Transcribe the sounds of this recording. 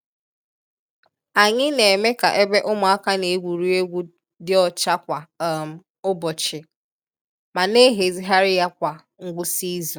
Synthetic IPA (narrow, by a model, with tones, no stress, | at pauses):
a˨ɲɪ˦ne˨me˦ka˨ʔe˦be˦ʔʊ˦mʊ˨a˦ka˦ne˨e˦ɡʷu˨ɾu˦e˦ɡʷu˦ | dɪ˦ɔ˨t͡ʃa˦kʷa˨m̩˨ | ʊ˦bɔ˨t͡ʃɪ˨ | ma˨ne˦ɦe˨zi˦ɦa˦ɾɪ˦ja˦kʷa˨ | ŋ̩˦ɡ͡bʊ˦si˦zu˨